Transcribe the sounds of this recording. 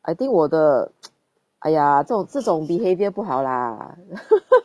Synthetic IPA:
ʔa̰ɪt̪iŋkwɔd̪ə | ʔa̰ɪjaʈ͡ʂɤʈ͡ʂʊŋt͡sɹ̩ʈ͡ʂʊŋpixeɪpjpuxɑʊla̰

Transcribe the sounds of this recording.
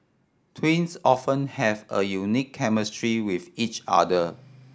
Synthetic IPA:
tʰwĩnsɔfə̃nhɛvə̰junikʰːɛməstɹiwifit͡ʃa̰də

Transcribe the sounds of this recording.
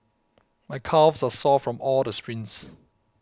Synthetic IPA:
maɪkʰavsasɔfɹɔ̃mɔldəspɹĩns

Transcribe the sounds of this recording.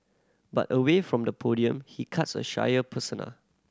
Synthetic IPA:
ba̰təwefɹɔ̃mdəpʰodiə̃mhikʰatsə̰ʃa̰jəpʰəsənə̰l

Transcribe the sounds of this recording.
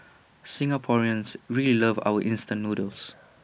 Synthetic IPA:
sɪ̃ŋapʰɔɹiə̃nsɹililəva̰wəʔĩnstə̃nmudəls

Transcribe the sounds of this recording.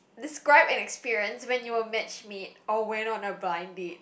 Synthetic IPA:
dɪskɹaɪbɪ̃nɛkspiɹiə̃nswɛ̃njuəmɛt͡ʃmit̚ɔwɛ̃nɔ̃nəblãɪ̃nbit̚

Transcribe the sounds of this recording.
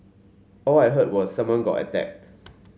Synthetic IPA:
ʔɔlaɪɦɜt̚wɔssãmwʌ̃nɡɔ̰tə̰tɛ̰k̚t

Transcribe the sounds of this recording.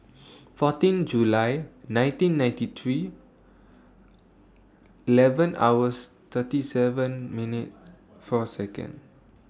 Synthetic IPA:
fɔtĩnd͡ʒulajnãj̃ntĩnːãj̃ntit̪ʰɹi | ilɛvə̃na̰wəs | t̪ʰətisɛvə̃nminit̚ | fɔsɛkə̰̃n

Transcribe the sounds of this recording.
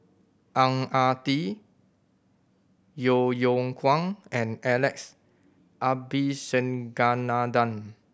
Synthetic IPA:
ʔãŋat̪i | jojoŋkʰwãŋɛ̃nɛlɛks | ʔabisɛ̃nɡanadãn

